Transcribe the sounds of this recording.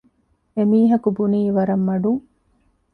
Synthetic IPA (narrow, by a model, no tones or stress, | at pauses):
emiːɦɐkubuniːʋɐɾɐmːɐɖuŋ